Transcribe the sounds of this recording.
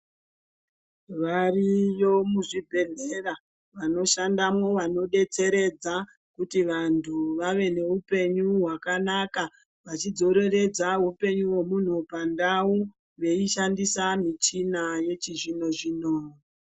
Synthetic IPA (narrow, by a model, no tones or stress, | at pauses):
ʋarijo̞muʐibʱe̞ɮera | ʋano̞ʃandamwo̞ʋano̞ɗe̞t͡se̞ɾe̞d͡za | kutiʋantʰuʋaʋe̞ne̞ɦupe̞ɲuɦwakanaka | ʋat͡ʃid͡zo̞ɾe̞re̞d͡zaɦupe̞ɲuwe̞mun̤upandau | ʋe̞iʃandisamit͡ʃinaje̞t͡ʃiʐino̞ʐinoːi